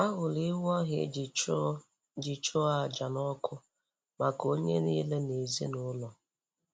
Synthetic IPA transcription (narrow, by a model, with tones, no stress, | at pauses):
a˦ɣʊ˨li˦wɔ˦ɦḛ˨d͡ʒ | d͡ʒi˨t͡ʃʊ˦a˨d͡ʒa˨nɔ˦kʰʊ˦ | ma˨ko˦ɲe˦niː˦le˦ne˨zi˦nʊ˦lɔ˨